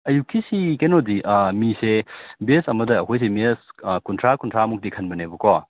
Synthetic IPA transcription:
ɐjukːisikenodiʔmisebesɐmɐdɐːkʰojs̬emiskuntʰɾakuntʰɾamuk̚dikʰɐnbɐnebukɔ

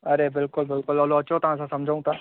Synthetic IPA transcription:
ɐɾebɪlkʊlbɪlkʊlɔloɐt͡ʃot̪ɐʋ̤ãsãsɐ̃md͡ʑʱaũt̪ã

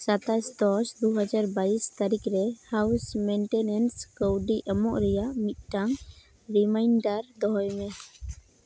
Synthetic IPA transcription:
sat̪ast̪ɔsd̪uɦad͡ʒaɾbaist̪aɾikɾɛhawsmɛɳʈɛnɛnskəwɖiʔəmɔʔɾɛjaʔmit̪̚ˀʈaŋ | ɾimajnɖaɾd̪ɔɦɔjmɛ

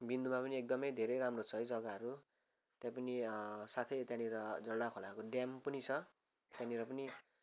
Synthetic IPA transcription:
bind̪umapʌniek̚d̪ʌmʌjd̪ʱeɾʌjɾamrot͡sʰʌɦʌjd͡zʌɡaɦʌɾu | t̪jãpʌnisat̪ʰʌjt̪jãniɾʌd͡zʌlɽakʰolakoɖjampʌnit͡sʰʌ | t̪jãniɾʌpʌni

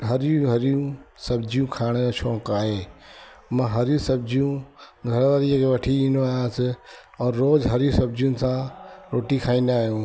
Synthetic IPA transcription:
ɦɐɾjũɦɐɾjũsɐbd͡ʒijũkʰaːɽ̃et͡ʃʰõːkaːɦeː | mãːɦɐɾjũsɐb̚d͡ʒijũɡʱɐɾaʋaɾiəkʰeʋɐʈʰiĩːnd̪oaːjãːsɪɔːɾːoːd͡ʒɦɐɾjũsɐbd͡ʒijũnɪ̆sãɾoːʈikʰaːĩnd̪aːɦjũː

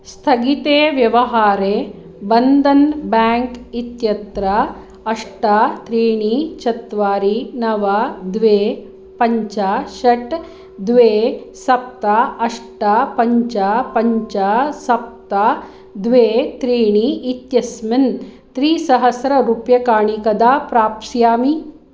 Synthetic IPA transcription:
st̪ʰɐɡit̪eːʋjɐʋɐɦaːɾeː | bɐnd̪ɐnbaːŋkit̪jɐt̪ɾɐ | ɐʂʈɐt̪ɾiːɳit͡ʃɐt̪ʋaːɾinɐʋɐd̪ʋeː | pɐɲt͡ʃaʃɐʈ | d̪ʋeːsɐp̚t̪aɐʂʈapɐɲt͡ʃapɐɲt͡ʃasɐp̚t̪a | d̪ʋeːt̪ɾiːɳiit̪jɐsmin | t̪ɾiːsɐɦɐsɾɐɾupjɐkaːɳikɐd̪aːpɾaːpsjaːmi

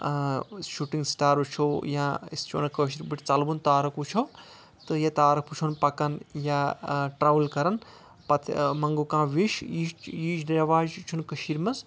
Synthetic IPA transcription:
ʃuʈiŋɡsʈaːɾut͡ʃʰojãːist͡ʃʰo̰ːnɐkəːʃ̬iɾbiʈʰʲt͡sɐlbunt̪aːɾɐkut͡ʃʰo | t̪ɨjɐt̪aːɾɐkpʰut͡ʃʰonpɐkɐnjaʈɾaːʋlkɐɾɐn | pɐt̪ʰmɐŋɡukãːʋiʃiːiːd͡ʒdɐʋaːd͡ʒt͡ʃʰunkəʃiɾmɐs

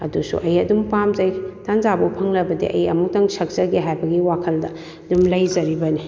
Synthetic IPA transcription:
ɐ̰dusṵʔɐjɐdumpamzɐjtanzabupʰɐŋlɐbɐdḭʔɐ̰jɐmuk̚tɐŋsɐk̚zɐɡeɦajbɐɡiwakʰɐldɐ | dumlɐjzɐɾibɐni

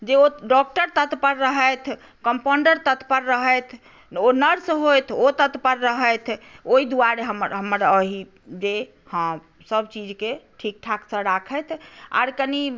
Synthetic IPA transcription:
d͡ʒeoɖɔk̚ʈəɾt̪ət̪pəɾːəɦəjt̪ʰ | kəmpoɳɖəɾt̪ət̪pəɾːəɦəjt̪ʰ | onəɾsɦojt̪ʰot̪ət̪pəɾːəɦəjt̪ʰoid̪uaɾeɦəməɾɦəməɾəɦi | d͡ʒe | hə̃ | səbt͡ʃid͡ʒkeʈʰik̚ʈʰakʰsə̃ɾakʰət̪ʰa̰ɾkəni

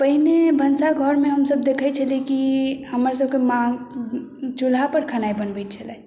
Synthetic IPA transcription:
pəɦinebʱənsaɡʱəɾmeɦəmsəb̚d̪ekʰət͡ʃʰəlekihəməɾsəb̚kemã | t͡ʃulapəɾkʰanaibənbɛt̪̚t͡ʃʰəlɛ

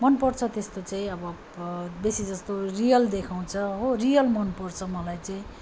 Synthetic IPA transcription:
mʌnpʌrt͡sʰʌt̪est̪ot͡saĩʌbʌ | besid͡zʌst̪orijʌld̪ekʰaw̃t͡sʰʌɦorijʌlmʌnpʌrt͡sʰʌmʌlajt͡saĩ

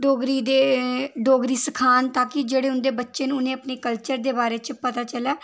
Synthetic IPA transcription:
ɖoːɡɾiːd̪eːɖoːɡɾiːsəkʰaːnt̪aːkɪd͡ʒeːɽeːʊnd̪eːbətːʃeːnʊnẽːəpneːkəlt͡ʃəɾd̪eːbaːɾeːt͡ʃəpət̪aːt͡ʃəlaː

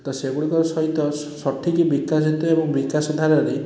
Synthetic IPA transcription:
t̪ɔseɡuɽikɔɾsɔit̪ɔsɔʈʰːikibikas̬it̪ɔebɔŋbikasɔd̪ʱaɾɔɾi

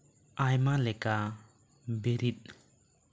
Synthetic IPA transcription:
ajmalɛka | beɾit̪̚

